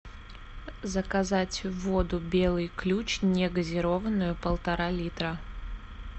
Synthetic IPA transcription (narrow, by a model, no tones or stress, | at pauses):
zəkɐzatʲvod̪ʊbʲe̞lˠɨjklʲut͡ɕnʲeɡəzʲɪɾovənːʊjʊpəlˠt̪ɐɾalʲit̪ɾə